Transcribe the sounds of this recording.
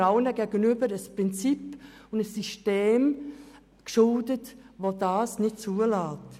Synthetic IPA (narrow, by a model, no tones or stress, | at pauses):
aʊənəɡeːɡənyːbədəspʁ̥ɪnt͡sipʊndəsysteːm | ɡ̥ʃʊldətvodɑːsnɪt͡suːəlaːt